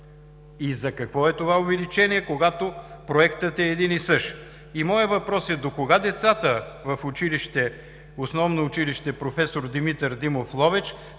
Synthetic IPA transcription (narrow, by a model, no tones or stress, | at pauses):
izɐkɐkvɔɛt̪ovaovɛlit͡ʃɛniɛkoɡat̪opɾoɛkt̪ət̪ɛːd̪inisɤʃ | imɔjət̪vɐpɾɔsɛd̪okoɡad̪ɛt̪sat̪əvɐfʊt͡ʃiliʃt̪ɛ | osnɔvnoːt͡ʃiliʃt̪ɛpɾofɛsoɾd̪imit̪əɾd̪imoflˠɔvɛt͡ʃ